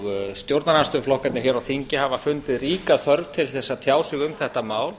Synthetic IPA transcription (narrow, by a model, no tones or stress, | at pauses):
st̪jowɾt̪naanst̪ʏflɔhkat̪nɪçɛɾawθiɲcɪhavafʏnt̪ɪðriːkaθœɾvt̪ʰɪlθɛsːat̪ʰjaːwsɪɣʏmθɛht̪amaːwl